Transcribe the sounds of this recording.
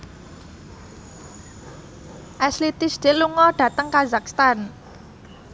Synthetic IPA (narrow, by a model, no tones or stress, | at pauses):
ʔaslit̪ɪsd̪̥e̤luŋɔɖ̥ä̤t̪əŋkazak̚st̪an